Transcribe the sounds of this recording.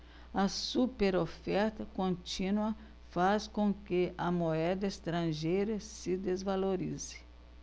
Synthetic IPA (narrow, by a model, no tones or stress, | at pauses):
ɐsupeɾofɛɾt̪ɐkõnt͡ʃĩnwɐ | faskõŋkeɐmoɛd̪ɐest̪ɾɐ̃ʒejɾɐsɪd̪ezvaloɾḭzɪ̥